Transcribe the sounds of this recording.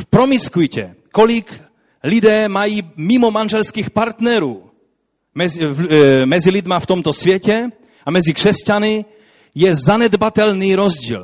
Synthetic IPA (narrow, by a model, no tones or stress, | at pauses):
fpɾomiskujcɛ̰ | kolik | lid̪ɛːmajiːmimomanʒɛlskiːxpaɾt̪nɛɾuː | mɛz | mɛzilid̪maft̪omt̪osvjɛcɛ | amɛzikr̥ɛscanɪ | jɛzanɛd̪bat̪ɛlniːɾozɟḭːl